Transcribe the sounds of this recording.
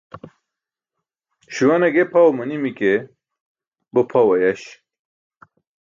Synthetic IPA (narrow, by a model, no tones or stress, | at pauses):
ɕuwɐnɐɡepʰawmɨnimike | bɨpʰɐwɐjɐɕ